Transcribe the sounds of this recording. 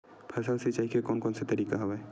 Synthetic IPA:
pʰɐsalsit͡ʃaikekɔːnkɔːnset̪ɐɾiːkaɦɐʋae

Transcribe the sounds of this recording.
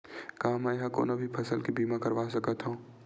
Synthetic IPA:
kɐɦãmɛɦãko̰ːnobʱipʰɐsəlkibiːmakɐɾʋaːsɐkət̪ɦõː

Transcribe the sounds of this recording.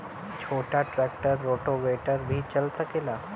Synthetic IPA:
t͡ʃʰoːʈaʈɾɛːk̚ʈəɾːoːʈoʋeːʈəɾbʱit͡ʃɐlsəkeːlaː

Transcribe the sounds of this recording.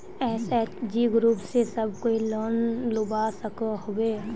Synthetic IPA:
ɛːsɛːt͡ʃd͡ʒiɡɾuːpsesɐbʱkoːiləːnlʊbasəkaɦoeː

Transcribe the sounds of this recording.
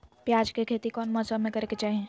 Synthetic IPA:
pjaːd͡ʒkekʰeːt̪ikɔːnmɔsəmẽkɐɾeket͡ʃaːɦiẽ

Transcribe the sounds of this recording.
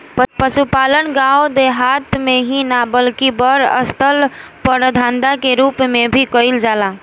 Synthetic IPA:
pəsupalənɡaod̪eɦat̪meɦĩnabəlkibəɾə̰st̪ʰəlpəɾd̪ʱãnd̪akeɾupmebʱikəjld͡ʒala

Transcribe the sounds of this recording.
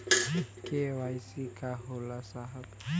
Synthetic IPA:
kewajsikaɦolasaɦab

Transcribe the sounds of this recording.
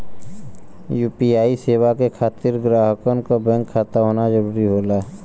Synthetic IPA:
juːpiaːiseːwakekʰaːt̪ɪɾɡɾaːɦəkənkobɛ̃ŋkʰːaːt̪aɦoːnad͡ʒəɾuːɾiɦoːlaː

